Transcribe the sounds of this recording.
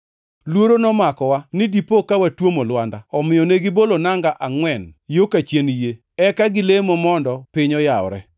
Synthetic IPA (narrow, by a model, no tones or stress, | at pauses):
lwoɾonɔmakɔwanɪdipokawatwomolwandaɔmɪjɔneɡɪbolonaŋɡaʔaŋwɛnjokat͡ʃjenije | ɛkaɡɪlemɔmɔndɔpɪɲɔjaɔɾɛ